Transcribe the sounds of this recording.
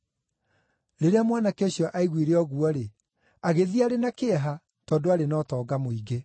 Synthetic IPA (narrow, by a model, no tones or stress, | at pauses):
ɾeɾeamwanakeɕjɔʔaiɣwiɾeɔɣuɔɾe | aɣeðiaɾenakeɛɦa | tɔːdoaɾenɔːtɔːɡamoiɡe